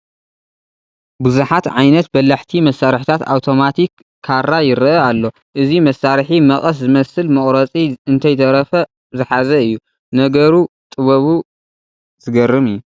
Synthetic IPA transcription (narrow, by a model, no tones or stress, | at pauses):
bɨzuħat̪ʕajnɐt̪̚bɐlːaħt̪ʰimɐsaɾħt̪ʰat̪a̰wt̪ʰo̞mat̪ʰikʰː | aɾajɪɾɐʔɐalːo̞ | ʔɨzimɐsaɾħimɐχʼɐs̬zɨmɐsɨlmɨχʼɾɐt͡sʼiɨnt̪ʰɐjt̪ʰɐɾɐfɐ | zɨħazɐɨjːu | nɐɡɐɾu | t̪ʼɨβɐβu | z̥ɨɡɐrɨmɨjːu